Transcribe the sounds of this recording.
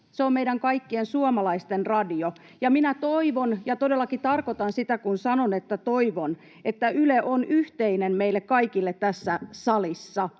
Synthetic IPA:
seommeidæŋkɑikːiensuomɑlɑist̪enrɑdio | jɑminæt̪oiʋonjɑt̪odelːɑkit̪ɑrkot̪ɑnsit̪ækunsɑnonet̪ːæt̪oiʋon | et̪ːæʔyleʔonyht̪einemmeilːekkɑikilːet̪t̪æsːæsɑlisːɑ

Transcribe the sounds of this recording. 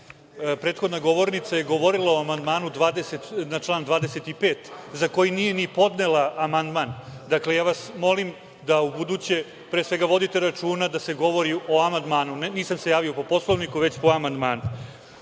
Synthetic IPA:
pɾe̞ːt̪xod̪naɡo̞ʋo̞ɾnit̪saje̞ɡo̞ʋoɾilaoamand̪maːnud̪ʋaːd̪eset̪nat͡ʂlˠaːnd̪ʋaːd̪ese̞t̪ipe̞ːt̪zako̞jinije̞nipo̞d̪ne̞laːmand̪mand̪akle̞jaːʋasmo̞lim | d̪aubud̪uːt͡ɕe̞ | pɾeːsʋe̞ɡaʋo̞d̪it̪e̞ɾat͡ʃuːnad̪ase̞ɡo̞ʋo̞ɾiʔo̞amand̪maːnunniːsamsejaːʋio̞po̞po̞slˠoʋnikuʋet͡ɕpo̞amand̪maːnu

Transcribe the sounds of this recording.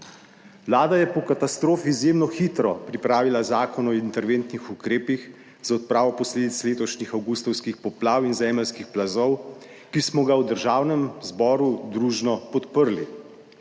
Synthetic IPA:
ʋlaːd̪ajɛpɔkat̪ast̪ɾoːfiːzjeːmnɔxit̪ɾɔpɾipɾaːʋilazaːkɔnɔint̪ɛɾʋent̪nixukɾeːpix | zaɔt̪̚pɾaːʋɔpɔsleːd̪it̪sleːt̪ɔʃnixawɡust̪ɔwskixpɔplaːwinzɛːməlskixplazɔw | kismɔɡawd̪əɾʒaːwnɛmzbɔːɾud̪ɾuːʒnɔpɔt̪pəɾli

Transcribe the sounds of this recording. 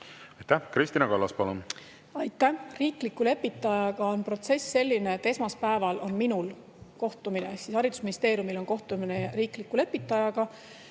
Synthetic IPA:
ɑjt̪ːæhkɾisʲt̪inɑkɑlːɑspɑlun | ɑjt̪ːæhriːklikːˑule̞pːit̪ːˑɑjɑɡ̥ɑonpro̞t̪se̞sːe̞lʲːine̞et̪ːe̞smɑspæevɑlo̞nminul | ko̞ht̪umineeksishɑɾid̪u̥sminist̪e̞ːɾjumilo̞nko̞ht̪umineriːklikːˑule̞pːit̪ːˑɑjɑɡ̥ɑ

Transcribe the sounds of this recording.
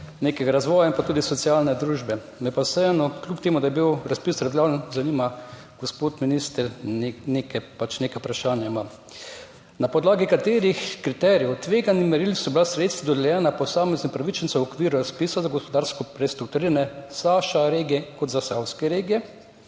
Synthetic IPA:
neːkɛɡaɾazʋɔːjaĩmpat̪uːd̪isɔt̪siaːlnɛd̪ɾuːʒbɛ | mɛpasɛɛːnɔklʲjup̚t̪eːmud̪ajɛbiwɾaspiːsɾablʲaːlnzaniːma | ɡ̥ospoːt̪minist̪əɾnenekɛpat͡ʃneːkapɾaʃaːnjaimam | napɔd̪laːɡikat̪eːɾixkɾit̪ɛɾijɛwt̪ʋeːɡanimɛɾilsɔbilasɾeːt̪st̪ʋad̪ɔd̪ɛljɛːnapɔsaːmɛznimpɾaʋit͡ʃɛnsɛwɔkʋiːɾuɾaspiːsazaɡɔspɔd̪aɾskɔpɾɛst̪ɾuk̚t̪uɾiɾanɛsaːʃaɾeːɡiɛkɔt̪zasawskɛɾeːɡijɛ

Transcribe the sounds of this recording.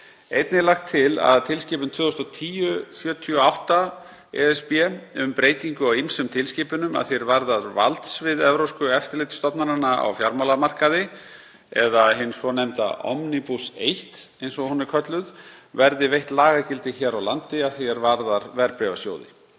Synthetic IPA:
ejt̪nɪlaxt̪ʰːɪla̰ðt̪ʰɪlsciːp̬ʏnt̪ʰvʏːðʏst̪ɔt̪ʰiːjʏfjœːt̪ʰiɔawht̪a | ɛ̰ɛspjɛʏmpɾeːjt̪iŋkʏawijmsʏmt̪ʰɪlsciːpʏnʏma̰ðθeɾvaɾðaɾva̰lt̪svɪðɛvɾowskʏɛft̪ɪɾlejt̪st̪ɔpnaɾanaa̰wfjaɾmalamar̥kaðɪ | ɛðaɦɪnːsvɔnɛmt̪a̰ɔ̰mnipusejht̪ejnsɔhunːɪɾ̥kʰœt̪lʏðvɛɾðɪvejht̪laːɣacɪlt̪ɪçɛːɾawlant̪ɪaðθeɾvaɾðaɾvɛɾpɾɛvasjo̰ːwðɪ̰

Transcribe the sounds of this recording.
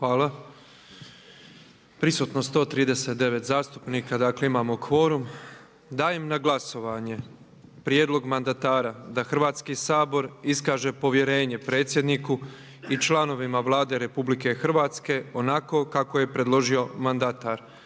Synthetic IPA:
xʋaːla | pɾisuːt̪nost̪o̞ːt̪ɾiːd̪ese̞t̪̚d̪e̞ʋe̞t̪zaːst̪u̥pniːkad̪aːkle̞imaːmokʋo̞ɾum | d̪aːjemnaɡlaso̞ʋaɲe̞ | pɾje̞d̪lo̞ɡmand̪at̪aːɾad̪axr̩ʋaːt̪skisaːbo̞ɾiskaːʒe̞po̞ʋje̞ɾe̞ːɲe̞pɾe̞ːt̪sje̞d̪niku | it͡ʃlano̞ʋimaʋlˠaːd̪e̞ɾe̞publike̞xr̩ʋaːt̪ske̞o̞nako̞kakoje̞pɾe̞d̪lˠo̞ʒio̞mand̪at̪aɾ

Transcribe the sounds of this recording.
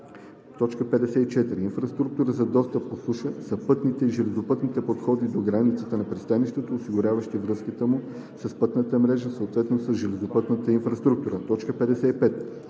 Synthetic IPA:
t̪ɔt͡ʃkəpɛd̪ɛsɛit͡ʃɛt̪iɾiːnfɾɐst̪ɾuk̚t̪uɾəzɐd̪ɔst̪əp̚ːosuʃəsɐpɤt̪nit̪ɛiʒɛlɛzopɤt̪nit̪ɛpot̪xɔd̪id̪oɡɾanit̪sət̪ənɐpɾist̪aniʃt̪ot̪oːsiɡʊɾʲavəʃt̪ivɾɤskit̪əmu | sɐspɤt̪nət̪əmɾɛʒəsəot̪vɛt̪nosəsʒɛlɛzopɤt̪nət̪əinfɾɐst̪ɾuk̚t̪uɾət̪ɔt͡ʃkəpɛd̪ɛsɛipɛt̪

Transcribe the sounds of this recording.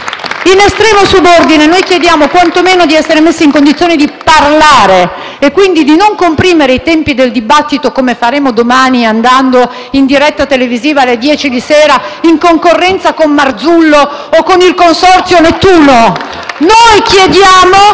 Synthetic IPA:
inest̪ɾɛːmosubord̪inenojkjed̪jaːmokwant̪omeːnod̪iɛsːeɾemesːiŋkond̪it̪sːjoːnid̪iparlaːɾe | ekːwind̪id̪inoŋkompɾiːmeɾeit̪ɛmpid̪eld̪ibat̪ːit̪okomefaɾeːmod̪omaːniand̪and̪o | ind̪iɾɛt̪ːat̪eleviziːvaːlːed̪jɛːt͡ʃid̪iseːɾaiŋkoŋkorːɛnt̪sakonmard̪zulːoːkːonilkonsɔrt̪sjonet̪ːuːno | nojkjed̪jaːmo

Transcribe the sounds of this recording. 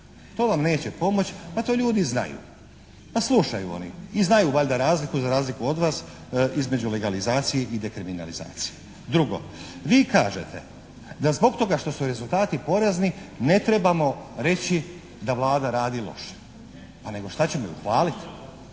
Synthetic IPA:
t̪o̞ːʋamne̞ːt͡ɕe̞po̞mo̞t͡ɕpat̪o̞ːʎuːd̪izna̰jṵː | paslˠuʃajṵo̰nḭiznajuʋaʎd̪aɾaːzlikuzaɾaːzlikuo̞d̪ʋaːsizme̞d͡ʑule̞ɡalizaːt̪sije̞ʔid̪ekɾimina̰liza̰ːt̪sije | d̪ɾuɡo̞̰ʋiːkaːʒḛt̪ʰe̞̰ | d̪azbo̞ɡt̪o̞ɡaʃt̪o̞suɾe̞zulˠt̪aːt̪ipo̞ɾeznine̞t̪ɾe̞bamo̞ɾe̞t͡ɕi | d̪aʋlˠaːd̪aɾaːd̪ilˠo̞̰ʃe̥ | pane̞ɡo̞ʃt̪at͡ɕe̞mojṵxʋaːlit̪

